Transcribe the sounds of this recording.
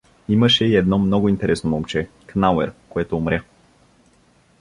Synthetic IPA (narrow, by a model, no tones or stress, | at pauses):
iməʃɛiɛd̪nɔmnɔɡʊint̪ɛɾʔɛsnomomt͡ʃɛ | knawɛɾkoɛt̪oːmɾʲa